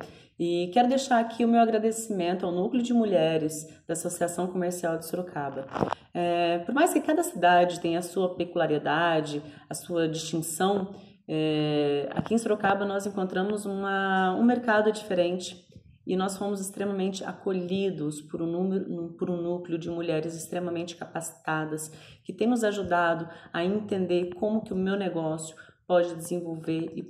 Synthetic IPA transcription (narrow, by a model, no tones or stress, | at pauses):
ɪkɛɾʊd̪ejʃaɾakʰiʊmewaɡɾad̪esimẽnt̪ʊawnuklʲjʊd͡ʒɪmuʎɛɾɪzd̪̥ɐasosiasɐ̃w̃komeɾsiawd͡ʒ̪ɪsoɾokʰabɐ | ɛpoɾmajskɪkad̪ɐsid̪ad͡ʒɪt̪ẽj̃ɐsuɐpekulaɾid̪ad͡ʒɪ | ɐsuɐd͡ʒist͡ʃĩsɐ̃w̃ | ɛa̰kiẽsoɾokabɐnɔzẽŋkõnt̪ɾɐ̃mʊzũmɐũmeɾkad̪ʊd͡ʒifeɾẽnt͡ʃɪ̥ | ɪnɔsfõmʊzɪst̪ɾemɐmẽnt͡ʃɪa̰koʎid̪ʊspʊɾunũmeɾʊpʊɾʊ̃nuklɪʊd͡ʒɪmuʎɛɾɪzɪst̪ɾẽmɐmẽnt͡ʃɪ̥kapasi̥t̪ad̪ɐs | kɪt̪ẽj̃nʊzaʒud̪ad̪ʊɐẽnt̪ẽnd̪eɾkõmʊkɪʊmewneɡɔsjʊpɔd͡ʒɪd͡ʒ̪ɪzẽvowveɾɪ